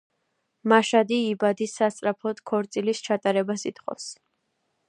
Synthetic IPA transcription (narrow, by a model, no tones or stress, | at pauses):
maʃad̪iːbad̪isːast̪sʼɾapʰɔd̪̥kʰɔɾt̪sʼilist͡ʃʰat̪ʼaɾɛbasit̪χʼɔ̰fs